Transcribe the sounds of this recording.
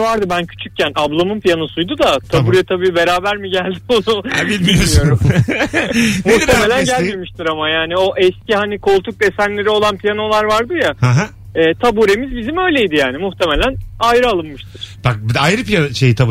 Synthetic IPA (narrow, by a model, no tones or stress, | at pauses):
vaɾd̪ɯbæncʰy̥t͡ʃʰyc̚cænʔablˠamɯmpʰijanosujd̪ud̪at̪ʰabuɾɛt̪ʰabiːbe̞ɾaːbæɾmiɟælʲd̪ionuilʲmijoio̞ɾum | muxe̞me̞lʲænɟælʲme̞miʃt̪ʰiɾamajaːnio̞ʔɛscʰihanikʰo̞lˠt̪ʰuk̚d̪e̞sænlːʲe̞ɾio̞lˠanpʰijano̞lˠaɾvaɾd̪ɯjahaɦ | ɛːt̪ʰabuɾe̞mizbizimø̞jlʲe̞jd̪ijaːnimuxt̪ʰe̞me̞lʲænajɾɯalˠɯnːɯʃt̪ʰɯɾ̥b̥ak̚bajɾɯpijaʃejit̪ʰab